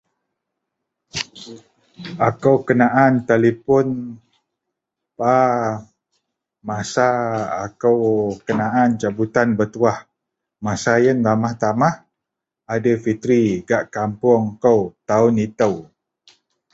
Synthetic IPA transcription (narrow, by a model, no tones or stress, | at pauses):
akəwkənaʔant̪alipʊn | pa | masaːkəwkənaʔant͡ʃabut̪anbət̪uah | masajənlamaht̪amah | adəfit̪ɾiɡaʔkampʊŋkəwt̪aʊnit̪əw